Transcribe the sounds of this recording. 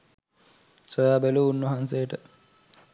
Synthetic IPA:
sojaːbeluunːɐɦansejəʈə

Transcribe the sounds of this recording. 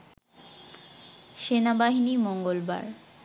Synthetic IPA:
ʃenabaɦinimɔŋɡolba̰ɾ

